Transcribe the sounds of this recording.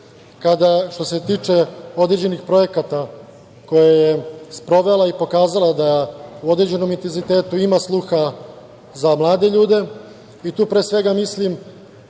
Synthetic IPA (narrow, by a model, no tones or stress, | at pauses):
kad̪aʃt̪o̞se̞t̪iːt͡ʃe̞o̞d̪ɾed͡ʑe̞nixpɾo̞je̞kat̪a | ko̞jajespɾo̞ʋelˠaipo̞kaːzalˠad̪auo̞d̪ɾed͡ʑe̞no̞mint̪enzit̪e̞ːt̪uimaslˠuxa | zamlˠaːd̪e̞ʎuːd̪e̞ | it̪uːpɾeːsʋe̞ɡamislim